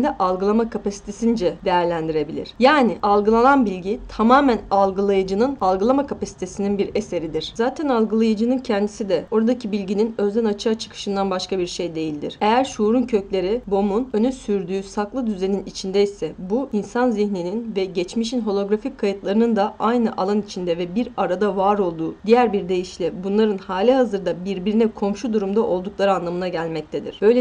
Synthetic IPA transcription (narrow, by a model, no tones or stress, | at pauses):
nd̪ɛʔalˠɡɯlˠamakʰapʰasi̥t̪ʰe̞sind͡ʒɛd̪e̞jæɾlʲænd̪iɾe̞bilʲḭɾ̥jaːniʔalˠɡɯlˠananbilʲɟit̪ʰamaːmænalˠɡɯlˠajɯd͡ʒɯnɯnalˠɡɯlˠamakʰapasi̥t̪ʰe̞sininbiɾe̞se̞ɾid̪iɾ̥zaːt̪ʰɛnalˠɡɯlˠajɯd͡ʒɯnɯncʰɛnd̪isid̪ɛo̞ɾad̪acʰibilʲɟininøzd̪ɛnat͡ʃʰat͡ʃʰɯ̥kʰɯ̥ʃɯnd̪anbaʃkabiɾʃe̞jd̪e̞jilʲd̪ḭɾ̥e̞jæɾʃuːɾuncʰø̞clʲe̞ɾibo̞munø̞nysyɾd̪yːsaklˠɯd̪yze̞ninit͡ʃʰind̪ɛisɛbuinsanziçnininvɛɟɛt͡ʃmiʃ̬inɦo̞lˠo̞ɡɾafickʰːajɯt̪lˠaɾɯnɯnd̪aʔajnɯʔalˠanit͡ʃʰind̪ɛvɛbiɾaɾad̪avaːɾo̞lˠd̪uːd̪ijæɾbiɾd̪e̞jiʃlʲibunlˠaɾɯnhaːlʲiɦazɯɾd̪abiɾbiɾinɛkʰo̞mʃud̪uɾumd̪aʔo̞lˠd̪uklˠaɾɯanlˠamɯnaɟælʲmɛc̚t̪ʰed̪ḭɾ̥b̥ø̞jlʲɛ